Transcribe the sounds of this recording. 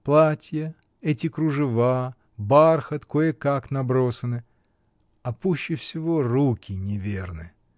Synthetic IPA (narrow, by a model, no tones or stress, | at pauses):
plˠatʲjə | ɛtʲɪkɾʊʐɨva | barxət̪kojəkaknɐbɾo̞sənɨ | ɐpuɕːɪfsʲɪvorukʲɪnʲɪvʲernɨ